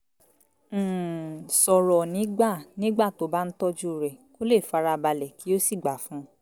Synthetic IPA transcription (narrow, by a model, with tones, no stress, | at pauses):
sɔ˨ɾɔ˨nĩ˨˦ɡ͡ba˦˨nĩ˦ɡ͡ba˦˨to˨˦ba˦n̩˦tɔ˦d͡ʒu˦˨ɾɛ˨ko˦le˦˨fa˨˧ɾa˧ba˧lɛ˨ki˨˦o˦si˦˨ɡ͡ba˨˦fũ˨˦